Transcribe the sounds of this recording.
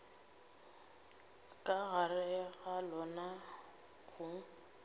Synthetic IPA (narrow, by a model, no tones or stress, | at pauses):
kʼaɣarɪɣalɔna | ɣʰuŋ̩